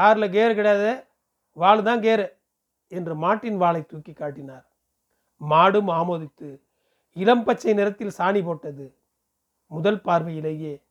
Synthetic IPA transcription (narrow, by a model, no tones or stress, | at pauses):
kaːɾɯlɐk̬eːɾkɪɽɐjaːðɐ | ʋaːɭðaːnkeːɾɐ | ɛndrɯmaːʈːɪnʋaːɭɐɪt̪uːkːikːaːʈːɪnaːɾ | maːɽɯmaːmoːðɪt̪ːɯ | ɪlɐmpɐt͡ʃːɐɪnɪɾɐt̪ːɪlsaːɳipoːʈːɐðɯ | mʊðɐlpaːɾʋɐɪjɪlɐjeː